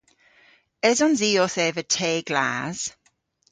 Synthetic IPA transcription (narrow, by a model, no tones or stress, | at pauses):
əzɔnziːɔθɛːvətʰeːɡla̰ːz̥